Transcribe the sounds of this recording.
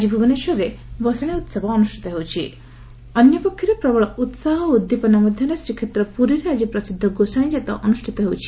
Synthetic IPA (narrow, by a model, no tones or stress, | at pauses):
ad͡ʒibʱubɔneʃɔɾebɔsañeut̪sɔbɔːnusʈʰi̥t̪ɔɦewt͡ʃʰi | ɔnjɔpɔkʰːjɔɾepɾɔbɔɭɔut̪saɦɔud̪ːipɔnɔmɔd̪ʱjanesɾikʰet̪ɾɔpuɾiɾead͡ʒipɾɔsid̪ʱːɔɡosaɽ̃ĩd͡ʒet̪ɔʔɔnusʈʰit̪ɔɦewt͡ʃʰi̥